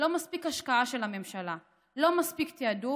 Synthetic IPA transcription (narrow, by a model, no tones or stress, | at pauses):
lomaspikaʃkaaʃelhamemʃala | lomaspikt̪ead̪u